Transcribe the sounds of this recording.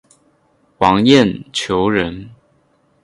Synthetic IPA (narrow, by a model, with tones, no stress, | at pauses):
wɑ˧˥ŋjɛ˥˨nt͡ɕʰjo˧˥ʊɻə˧˦n